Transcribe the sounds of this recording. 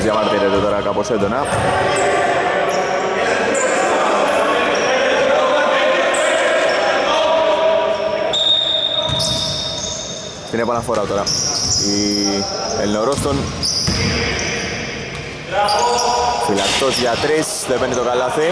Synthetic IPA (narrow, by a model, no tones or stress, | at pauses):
zjamaɾðiɾet̪ːot̪oɾakaposed̪ona | t̪ineponafoɾaot̪oɾai | elnoɾost̪on | ilast̪osjat̪ɾes | d̪epend̪et̪okalaθe